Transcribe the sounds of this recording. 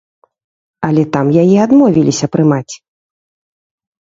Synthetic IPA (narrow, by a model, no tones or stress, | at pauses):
ɐlʲɛt̪amjajiad̪mɔvʲilʲisʲɐpɾɨmat͡sʲ